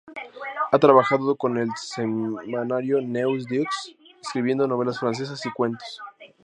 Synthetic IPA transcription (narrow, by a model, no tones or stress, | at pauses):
at̪ɾaβaxaðoko̞ne̞lsemanaɾjo̞newz̬d̪ukseskɾiβje̞nd̪o̞no̞β̞e̞lasfɾans̬e̞s̬asikwe̞nt̪o̥s